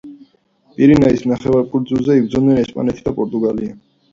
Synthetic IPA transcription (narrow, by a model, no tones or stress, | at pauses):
pʼiɾinaisnaχɛvaɾkʼuɾd̪zulˠzɛibɾd̪zɔnɛnɛspʼa̰nɛt̪ʰid̪apʼɔɾt̪ʼuɡalia